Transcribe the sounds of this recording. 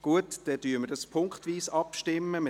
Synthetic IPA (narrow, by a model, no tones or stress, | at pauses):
ɡ̥uətd̥ɛtyːəmədɑspʰʊŋkχtʋiːsɑpʃtɪmːəmɪ